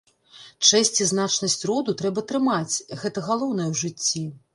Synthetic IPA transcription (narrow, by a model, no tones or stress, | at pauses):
t͡ʂɛsʲt͡sʲiznat͡ʂnɐsʲt͡sʲrɔd̪ut̪ɾɛbɐt̪ɾɨmat͡sʲɣɛt̪ɐɣalˠɔwn̪ɐjɛwʐɨt͡sʲːi